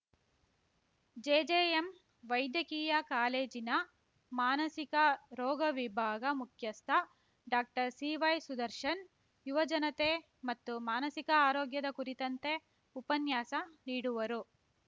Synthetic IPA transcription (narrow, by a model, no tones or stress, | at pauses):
d͡ʒeːd͡ʒeːem | ʋɐjd̪jɐkiːjɐkaːleːd͡ʒinɐ | maːnɐsikɐɾɔːɡɐʋibʱaːɡɐmukʰjɐst̪ʰɐ | ɖaːk̚ʈɐɾsiːʋɐjsud̪ɐɾʃɐn | juʋɐd͡ʒɐnɐt̪e̞ | mɐt̪ːumaːnɐsikɐaːɾoːɡjɐd̪ɐkuɾit̪ɐnt̪e̞ | upɐnjaːsɐniːɽuʋɐɾu